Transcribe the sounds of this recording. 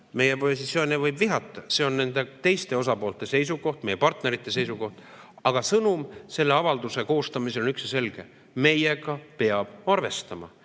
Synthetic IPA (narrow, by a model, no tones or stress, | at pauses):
me̞jeposit̪sio̞ːnʲevɤjbviɦɑt̪ˑːɑse̞o̞nne̞nd̪e̞t̪e̞jst̪e̞o̞s̬ɑpo̞ːlt̪ˑe̞se̞js̬uɡo̞ht̪̚me̞jepɑrt̪ne̞ɾit̪ˑːe̞s̬e̞jsuko̞ht̪ | ɑɡ̥ɑsɤnumse̞lːe̞ɑvɑld̪̥use̞ko̞ːst̪ɑmiseonyksjɑse̞lɡ̥e̞ | me̞jeɡɑpe̞ɑb̥ɑrve̞st̪ɑmɑ̰